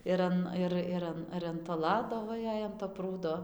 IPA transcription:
ɪr ˈɐn ˈɪr ɪr ˈɐn ɪr ɐn toː ˈlˠɑːdoː ˈʋɐ ˈjɛɪ ɐn toː ˈpruːdoː

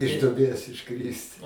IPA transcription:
ɪʃ duɔˈbʲeːs ɪʃˈkrʲɪst

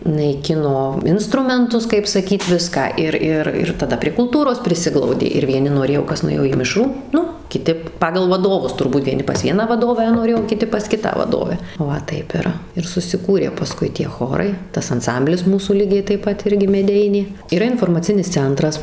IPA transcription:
nɐɪˈkʲɪnoː ˈɪnstrʊmʲɛntʊs kɐɪp sɐˈkʲiːt ˈʋʲɪskɑː ˈɪr ˈɪr ɪr tɐˈdɐ pʲrʲiɛ kʊlˠˈtuːroːs pʲrʲɪˈsʲɪɡlˠɐʊdʲeː ɪr ʋʲiɛˈnʲɪ noːˈrʲeːjoː ˈkɐs nʊˈeːjoː iː ˈmʲɪʃruː ˈnʊ kʲɪˈtʲɪ ˈpɑːɡɐlˠ ʋɐˈdoːʋʊs tʊrˈbuːt ɛɪˈnʲɪ pɐs ˈʋʲiɛnɑː ʋɐˈdoːʋʲæː noːˈrʲeːjoː oː kʲɪˈtʲɪ pɐs ˈkʲɪtɑː ʋɐˈdoːʋʲæː ˈʋɐ ˈtɐɪp ɪr ɪr sʊsʲɪˈkuːrʲeː pɐˈskʊɪ tʲiɛ ˈxoːrɐɪ ˈtɐs ɐnˈsɐmʲbʲlʲɪs ˈmuːsuː ˈlʲiːɡʲɛɪ tɐɪp ˈpɐt ˈɪrʲɡʲɪ mʲɛˈdʲɛɪnʲeː iːˈrɐ ɪnfoːrmɐˈt͡sʲɪnʲɪs ˈt͡sʲɛntrɐs

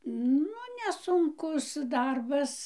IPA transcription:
ˈnʊ nʲɛsʊŋˈkʊs ˈdɐrbɐs

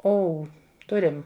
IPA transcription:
ˈoːʊ ˈtʊrʲɪm

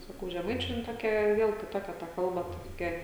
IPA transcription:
sɐˈkɐʊ ʒʲɛˈmɐɪt͡ʃʲʊ jɪn ˈtoːkʲɛ ˈʋʲiɛlˠ kʲɪˈtoːkʲɛ tɐ ˈkɐlˠbɐ tɐ toːˈkʲɛ

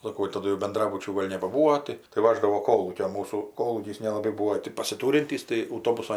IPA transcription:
sɐˈkoː jɛʊ tɐˈdʊ jɛʊ bʲɛnˈdrɑːbʊt͡ʃʲuː ˈɡoːlʲ nʲɛbɐˈbuːoː tɐɪ tɐɪ ˈʋɑːʒdɐʋoː ˈkoːlˠuːkʲoː ˈmuːsuː ˈkoːlˠuːkʲiːs nʲɛlˠɐˈbɐɪ ˈbuːoː tʲɪ pɐsʲɪˈtuːrʲɪnʲtʲiːs tɐɪ ɐʊˈtoːbʊsoː

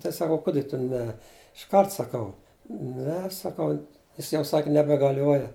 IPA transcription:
tɐɪ sɐˈkɐʊ ˈkʊdʲɪ tʊ ˈnʲɛ ɪʃˈkɐrt sɐˈkɐʊ ˈnʲɛ sɐˈkɐʊ ˈjɪs jɛʊ ˈsɐkʲ nʲɛbʲɛɡɐˈlʲuɔjɛ

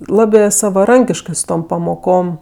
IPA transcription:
ˈlˠɑːbʲeː sɐʋɐˈrɐŋʲkʲɪʃkɜ sʊ ˈtoːm pɐmoːˈkoːm

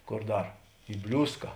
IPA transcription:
ˈkoːr ˈdɐr ɪ ˈbʲlʲuːskɐ

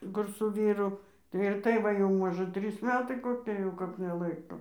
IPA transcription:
ˈkʊr sʊ ˈʋʲiːrʊ tɐɪ ɪr ˈtɐɪ ˈʋɐ jɛʊ ˈmoːʒɜ ˈtʲrʲiːs ˈmʲæːtɐɪ koːˈkʲɪ jɛʊ ˈkɐp nʲɛˈlˠɐɪkoː

